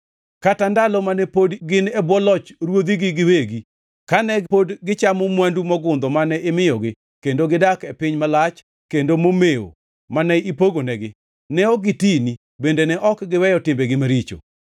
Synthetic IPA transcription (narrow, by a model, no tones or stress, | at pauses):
katandalɔmanɛpodɡɪnɛbwɔlɔt͡ʃɾwod̪iɡɪɡɪweɡi | kanɛpodɡɪt͡ʃamomwandumɔɡʊnd̪ɔmanɛɪmɪjɔɡɪ | kendoɡɪdakɛpɪɲmalat͡ʃ | kendomomeo̰ | manɛipoɡonɛɡɪ | nɛɔɡɪtini | bendenɛʔɔkɡɪwɛjɔtɪmbeɡɪmaɾit͡ʃo̰